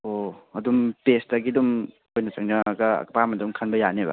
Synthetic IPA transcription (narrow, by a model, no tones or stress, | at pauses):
oɐdumpestɐɡidum | ojnɐt͡ʃɐŋnɐɡɐ̰kpamɐdumkʰɐnbɐjanebɐ̰